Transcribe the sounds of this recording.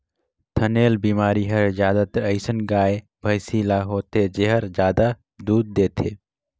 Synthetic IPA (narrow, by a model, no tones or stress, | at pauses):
t̪ʰəneːlbiːmaːɾiɦəɾd͡ʒjaːd̪at̪əɾəɪsənɡaːe | bʱəjsiːlaɦoːt̪ed͡ʒeɦəɾd͡ʒjaːd̪a | d̪uːd̪̚ːeːt̪ʰeː